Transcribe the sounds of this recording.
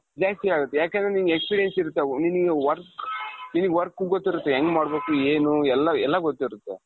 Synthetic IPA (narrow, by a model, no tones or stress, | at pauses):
d͡ʒaːsʈiaːɡut̪ːejaːkeːnd̪ɾeninɡekspiɾijensiɾut̪ːeninɨɡeʋɐɾkninɨɡeʋɐɾkːuɡot̪ːiɾut̪ːeɦeŋɡmaːɽbe̞ːkueːnuɛlːɐɛlːɐɡot̪ːiɾut̪ːḛ